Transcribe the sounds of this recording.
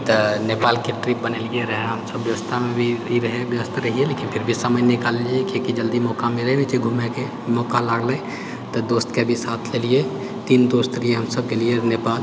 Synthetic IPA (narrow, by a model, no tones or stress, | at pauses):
t̪ɔnepaːlkeʈɾipbənelieɾəɦeɦəmsəbːjəʋəst̪ʰamẽbʱiiɾəɦebjəʋəst̪ʰɾəɦielekinpʰɪɾbʱisəməjnɪkaliekekid͡ʒəld̪imɔkameɾɦenit͡ʃeɡʱumeke | mɔːkalaːɡlẽ | t̪ɔd̪oːst̪kebʱisaːt̪ʰlelie | t̪iːnd̪oːst̪ɾieɦəmsəb̚kelienepaːl